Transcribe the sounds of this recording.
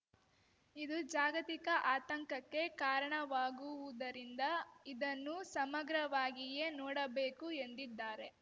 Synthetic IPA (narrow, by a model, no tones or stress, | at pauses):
id̪ud͡ʒaːɡɐt̪ikɐʔaːt̪ɐŋkɐkːe̞kaːɾɐɳɐʋaːɡuʋud̪ɐɾind̪ɐid̪ɐnːusɐmɐɡɾɐʋaːɡije̞ːnɔːɽɐbeːkue̞nd̪id̪ːaːɾe̞